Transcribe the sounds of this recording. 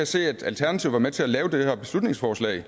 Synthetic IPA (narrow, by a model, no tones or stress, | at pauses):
æse̝̰ːæd̥ælt͡sʰæɐnæt͡sʰiʊ̰ʋɑ̈met͡sʰe̝ælɛːʊd̥ehæɐb̥e̝slud̥ne̝ŋsfɒːslɛ̰ːɪ